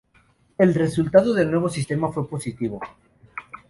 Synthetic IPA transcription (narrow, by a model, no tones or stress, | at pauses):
e̞lre̞sult̪að̞oðe̞lnwe̞βo̞sist̪e̞mafwe̞posit̪iβ̞o